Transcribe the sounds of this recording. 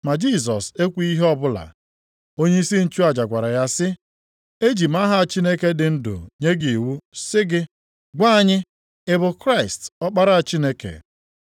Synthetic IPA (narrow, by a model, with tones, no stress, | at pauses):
ma˨d͡ʒi˦s̬ɔ˨se˦kʷu˦i˦ɦe˦ɔ˦bʊ˦la̰˨ | o˦ɲe˦i˦si˦n̩˦t͡ʃu˦a˨d͡ʒa˨ɡʷa˨ɾa˨ja˦sɪ˦ | e˦d͡ʒi˨m̩a˦ɦa˨a˨t͡ʃi˦ne˦ke˦dɪ˨n̩˦dʊ̰˨ɲe˦ɡi˨wu˦sɪ˦ɡɪ˦ | ɡʷa˦ɲɪ˦ | ɪ˦bʊ˨kɾa˦˨ɪ˨stɔ˦k͡pa˦ɾa˦a˨t͡ʃi˦ne˦kḛ˨